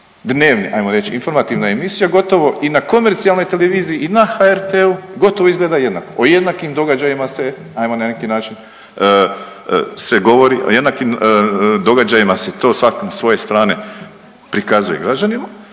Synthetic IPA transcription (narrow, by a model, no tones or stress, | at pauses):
d̪ne̞ːʋnḭʔa̰jmo̞ɾe̞t͡ɕiinfo̞ɾmat̪iʋnae̞misijaɡo̞t̪o̞ʋo̞ʔinako̞me̞ɾt̪sialˠno̞jt̪e̞leʋiːzijiʔinaxaeɾt̪euɡo̞t̪o̞ʋoizɡle̞ːd̪aje̞d̪nakoʔoje̞d̪nakimd̪o̞ɡad͡ʒajimase̞ | ajmonanekinaːt͡ʃin | seɡo̞ʋo̞ɾiʔo̰je̞d̪nakimd̪o̞ɡad͡ʒajimaset̪o̞ːsʋakonasʋo̞je̞st̪ɾaːne̞ | pɾikazuje̞̰ɡɾad͡ʒanima